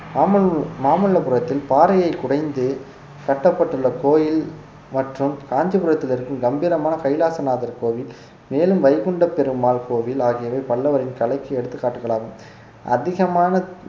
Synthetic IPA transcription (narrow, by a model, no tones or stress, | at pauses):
maːmɐɭɭːɐpɯɾɐt̪ːɪlpaːɾɐjɐɪkʊɽɐɪnd̪ɯ | kɐʈːɐpːɐʈːɯɭːɐkoːjɪl | mɐʈrɯmkaːɲd͡ʒɯpɯɾɐt̪ːɪlɪɾɯkːɯmɡɐmbiːɾɐmaːnɐkɐɪlaːsɐnaːðɐɾkoːʋɪl | meːlɯmʋɐɪɣɔɳɖɐpːɛɾɯmaːlkoːʋɪlaːɣɪjɐʋɐɪpɐɭːɐʋɐɾɪnkɐɭɐɪkːɐɛɽɯt̪ːɯkːaːʈːɯɣɐɭaːɣɯm | ʔɐ̰ðɪɣɐmaːnɐ